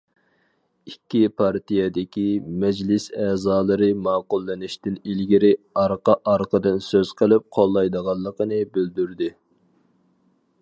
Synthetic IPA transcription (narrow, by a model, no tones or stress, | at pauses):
ikʲːipʰɑɾt̪ijɛd̪ɪkʲimɛd͡ʒlɪsɛːzɑːlˠɨɾɨmɑːqʊlˠːɪnɪʃt̪ɪnilɡʲiɾɪɑɾqɑʔɑɾqʰəd̪ɨnsøz̥qʰəlˠɨp̚qʰolˠːɑjd̪əʁɑlˠːəqənɨbyld̪yɾd̪ɪ